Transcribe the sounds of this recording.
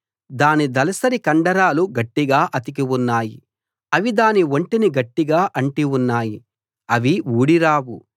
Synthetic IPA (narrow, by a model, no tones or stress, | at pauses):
d̪aːnid̪ɐlɐsɐɾikɐɳɖɐɾaːluɡɐʈːiɡaːʔɐt̪ik̬iwunːaːji | ɐʋid̪aːniʋoɳʈiniɡɐʈːiɡaːʔɐɳʈiunːaːji | ɐʋiuːɽiɾaːwu